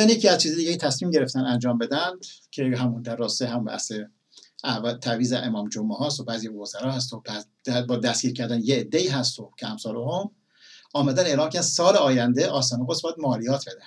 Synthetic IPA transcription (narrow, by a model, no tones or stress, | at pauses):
ænjecʰiːæz̥t͡ʃʰiːzed̪iɟeet̪ʰæsmiːmɟe̞ɾeft̪ænænd͡ʒɒːmbe̞d̪ænd̪̥cʰeɦæmund̪æɾːɒːset̪eɦæmumbæ̰se | ʔævæt̪ʰæviːzeʔemɒːmd͡ʒomʔehɒːst̪obæːzijvozæɾɒːhæs̬t̪obæ̥ | æbɒːd̪æsɡ̥ʲiːɾcʰæɾd̪ænjeːd̪ːeiːɦæst̪ocʲʰeæmsɒːɾohom | ʔɒːmæd̪æne̞ʔlɒːmkʲcʰæɾd̪ænd̪sɒːleɒːjænd̪eʔɒːs̬t̪ɑːneɡosbɒjæd̪moːlijɒːt̪ʰb̥e̞d̪æn